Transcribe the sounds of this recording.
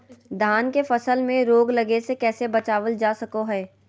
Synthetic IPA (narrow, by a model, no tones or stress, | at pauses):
d̪ʱaːnkefɐsəlmẽɾoːɡlɐɡesekɛːsebɐt͡ʃaːʋəld͡ʒaːsɐkoɦɛː